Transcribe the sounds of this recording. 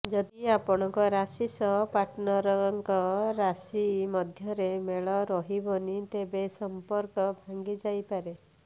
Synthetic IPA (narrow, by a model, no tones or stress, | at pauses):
d͡ʒɔd̪iapɔɽ̃ɔŋkɔɾasisɔɦpaʈnɔɾɔŋkɔɾasimɔd̪ʱjɔɾemeɭɔɾɔɦibɔnit̪ebesɔmpɔɾkɔbʱaŋɡid͡ʒajpaɾe